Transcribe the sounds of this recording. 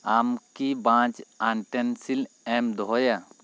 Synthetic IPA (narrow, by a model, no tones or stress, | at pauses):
amkibãːt͡ʃanʈensil | ɛmd̪ɔja